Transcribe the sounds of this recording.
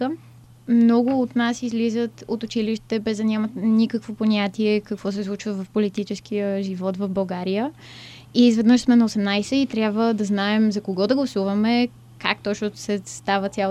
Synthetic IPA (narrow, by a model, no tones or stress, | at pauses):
ə | mnɔɡʊːt̪nasizlizət̪ot̪ʊt͡ʃiliʃt̪t̪ɛbɛzd̪ɐnʲamət̪nikəkvoponʲat̪iɛkɐkvɔs̬ɛslˠut͡ʃvəvɐfpolit̪it͡ʃɛskijəʒivɔt̪vɐvbɐlˠɡaɾijə | izvɛd̪nəʃsmɛnɐosɛmnajsɛit̪ɾʲjabvəd̪ɐznaɛmzɐkoɡɔd̪ɐɡlˠɐsuvɐmɛ | kakt̪ɔt͡ʃnʊsɛst̪avət̪sʲa